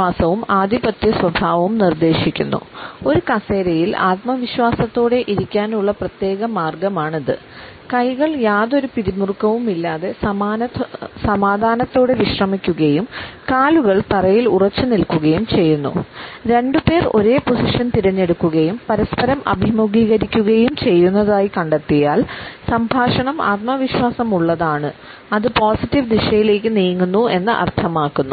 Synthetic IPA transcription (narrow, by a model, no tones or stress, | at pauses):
aːsɐʋumaːd̪ʱibɐt̪jɐswɐbʱaːʋɐʋumnird̪e̞ːɕikʲːunːṵo̞ɾukɐse̞ːɾɐjila̰ːt̪mɐʋiɕwaːsɐt̪ːo̞ːɽe̞ʔiɾikʲːaːnuɭːɐprɐt̪je̞ːɣɐmaːrɡɐmaːɳiðɨ̰ | kɐjɣɐɭjaːðo̞ɾupiɾimurkːɐʋumilːaːðe̞ | sɐmaːd̪ʱaːnɐt̪ːo̞ːɽeʋiɕrɐmikʲːuɣɐjumkaːluɣɐɭt̪ɐrɐjilurɐt͡ɕːɨnilkuɣɐjumt͡ɕe̞jːunːṵɾe̞ɳɖupe̞ːro̞̰ɾe̞ːpo̞siʂɐnt̪iɾɐɲːe̞ɽukːuɣɐjumpɐɾɐspɐɾɐmʔɐ̰bʱimuɡʱiːɣɐɾikʲːuɣɐjumt͡ɕe̞jːunːɐðaːjikɐɳɖɐt̪ːijaːlsɐmbʱaːʂɐɳɐma̰ːt̪̚mɐʋiɕwaːsɐmuɭːɐðaːɳɨ | ɐðɨpoːsitːiʋd̪iɕɐjile̞ːkːɨniːŋːunːue̞nːɨʔɐ̰rt̪ʰɐmaːkːunːu